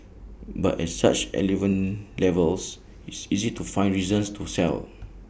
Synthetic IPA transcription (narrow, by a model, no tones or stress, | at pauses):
ba̰tɛ̰tsa̰t͡ʃɛ̰livə̃nlɛvəls | itsizitufãjnɹizə̃nstʰusɛ̰l